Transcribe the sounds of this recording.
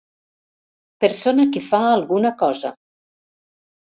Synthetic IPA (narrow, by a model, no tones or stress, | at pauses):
peɾsonakefaːlˠɣunakɔza̰